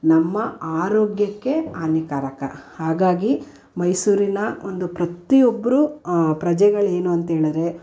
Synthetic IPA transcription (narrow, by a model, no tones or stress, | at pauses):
nɐmːɐaːɾoːɡjɐkːe̞aːnikaːɾɐkɐ̰haːɡaːɡi | mɐjsuːɾinɐond̪upɾɐt̪ijobːɐɾupɾɐd͡ʒɛɡɐɭe̞ːnuɐnt̪ɦeːɭɐd̪ɾe̞